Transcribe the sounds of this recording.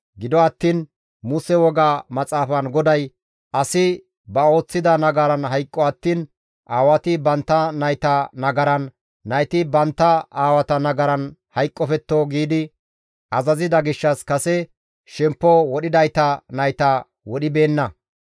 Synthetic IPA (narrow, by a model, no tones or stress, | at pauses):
ɡɪd̪ɔɐt̪ːiːn | mʊsɛwɔɡaːmɐt͡sʼaːfɐnɡɔd̪ɐj | ɐsɪ | bɐo̞ːt͡sːɪd̪ɐnɐɡɐɾɐnɦɐjkʼːɔɐt̪ːiːn | ʔaːwɐt̪ɪbɐnt̪ːɐnɐjt̪ɐnɐɡɐɾɐnː | ɐjt̪ɪbɐnt̪ːɐaːwɐt̪ɐnɐɡɐɾɐnhɐjkʼːɔfɛt̪ːoːɡiːd̪ɪ | ʔɐzɐzɪd̪ɐɡɪʃːɐskɐsɛ | ʃɛmpːɔwɔɗɪd̪ɐjt̪ɐnɐjt̪ɐ | wɔɗɪbe̞ːnːɐ